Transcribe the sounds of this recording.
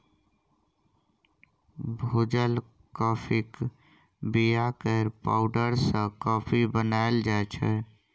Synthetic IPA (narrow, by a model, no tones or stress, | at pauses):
bʱod͡ʒəl | kɔpʰik | bijakəɾpa̰ʊɖəɾsə̃kɔpʰibənaeld͡ʒaet͡ʃʰɛ